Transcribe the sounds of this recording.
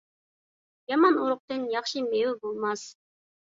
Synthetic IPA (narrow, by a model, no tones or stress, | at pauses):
jɑmɑnoɾʊq̚t̪ɨnjɑχʃɨmewɪbolˠmɑs